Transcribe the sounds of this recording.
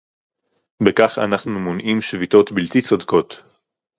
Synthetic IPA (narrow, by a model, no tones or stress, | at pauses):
bekaχa̰naχnumonʔimʃvit̪o̞t̪bilt̪it͡sod̪ko̞t̪